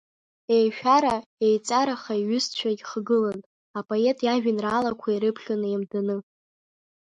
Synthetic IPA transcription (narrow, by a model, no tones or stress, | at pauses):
ejʃᶣaɾaejt͡sʼaɾaχaiɥʏst͡ɕʷʰaɡʲχɡɨlan | apʼoe̞tʼjaʒᶣɪnraːlakʷʰaiɾɨpʰχʲanɨemdanɨ